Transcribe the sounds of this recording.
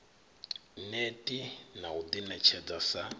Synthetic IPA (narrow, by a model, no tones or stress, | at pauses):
netʼinaud̪inɛt͡ʃʰɛd͡zasa